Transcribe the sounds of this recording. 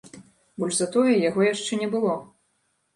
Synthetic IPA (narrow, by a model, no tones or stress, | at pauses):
bɔlʲʐzat̪ɔjɛjaɣɔjaʂt͡ʂɛnʲɛbɨlˠɔ